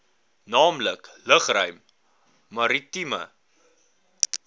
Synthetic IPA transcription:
nɑːmləkləχrœɥmː | ɐɾitimə̰

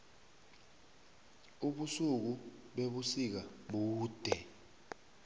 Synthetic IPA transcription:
uɓusuk̬uɓeɓusik̬aɓuːd̥ʱɛ

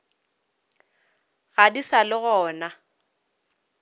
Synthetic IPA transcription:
ɣadisalɪɣɔːna

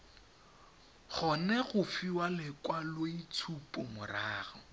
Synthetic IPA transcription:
χɔnɛɣʊfiwalɪkwaloit͡sʰupʼɔmʊraːɣɔ

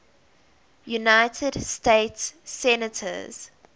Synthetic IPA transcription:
junaɪtʰədsteɪtsːɛnətʰə̰z̥

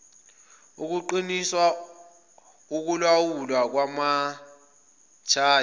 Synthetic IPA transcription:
uk̬uǃiniswa | uk̬ulwawulwak̬wama | t͡ʃʰaː

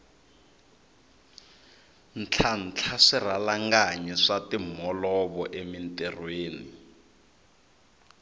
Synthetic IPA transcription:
n̩t͡ɬʰan̩t͡ɬʰaʂiralaŋɡaɲɛʂatim̤ɔlɔβɔʔemintʼɛrweːni

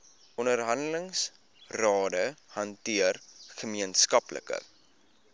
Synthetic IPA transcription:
ʔɔndərɦɐndələŋs | rɑːdəhɐntiərχəmiənskɐplə̰kə̰

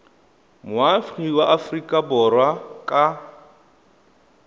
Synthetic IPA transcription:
mʊafχiwaʔafrikʼabɔrwakʼa

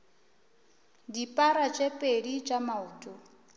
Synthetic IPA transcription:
dipʼaɾat͡ʃʼepʼedit͡ʃʼamauːtʼɔ

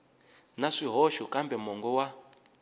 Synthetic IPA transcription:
naʂiɦɔʃɔkʼambɛmɔŋɡɔwa

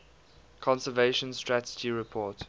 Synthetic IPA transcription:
kʰɔ̃nsəveʃə̃nstɹatəd͡ʒiɹɪpʰɔːt

